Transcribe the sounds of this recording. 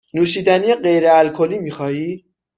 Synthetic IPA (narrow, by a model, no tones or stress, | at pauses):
nuːʃiːd̪ænijeɢe̞jɾeælkʰo̞liːmiːxɒːjiː